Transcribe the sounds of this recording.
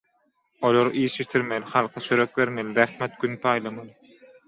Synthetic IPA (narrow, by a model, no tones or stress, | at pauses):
olˠoɾɯʔiːʃit̪ʰiɾmelχɑlˠqʰɑt͡ʃʰøɾøk̚beɾmelɾæxmet̪̚ɡ̥ʲynpʰɑːjlˠɑmɑlˠɯ